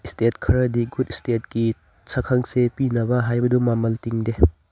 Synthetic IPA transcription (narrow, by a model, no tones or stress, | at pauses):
istetkʰɐɾɐdiɡutistet̚ki | sʰɐkʰɐŋsepinɐbɐɦajbɐdumamɐltiŋde